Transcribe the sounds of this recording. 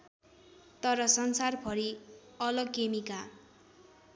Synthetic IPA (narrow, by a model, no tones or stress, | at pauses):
t̪ʌɾʌsʌnsarbʰʱʌɾi | ʌlʌɡkemika